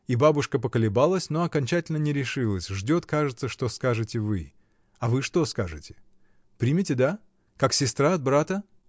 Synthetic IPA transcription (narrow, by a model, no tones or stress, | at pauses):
ibabʊʂkəpəkəlʲɪbalˠəsʲno̞ɐkɐnʲt͡ɕætʲɪlʲnənʲɪɾʲɪʂɨlˠəsʲʐdʲo̞t̪kaʐɨt̪səʂt̪o̞skaʐɨtʲɪvɨ | avɨʂt̪o̞skaʐɨtʲɪ̥ | pɾʲimʲɪtʲɪd̪a | kaksʲɪst̪ɾaɐd̪̚bɾat̪ə